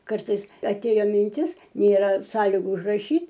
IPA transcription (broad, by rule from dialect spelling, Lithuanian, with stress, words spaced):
ˈkɐrtɐɪs ɐˈtʲeːjoː mʲɪnʲˈtʲɪs nʲeːˈrɐ ˈsɑːlʲɪɡʊ ʊʒrɐˈʃʲiːtʲ